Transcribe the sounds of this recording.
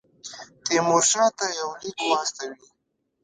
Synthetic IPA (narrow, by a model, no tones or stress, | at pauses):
t̪emoɾʃɑ̃t̪ajawlikwɑst̪awi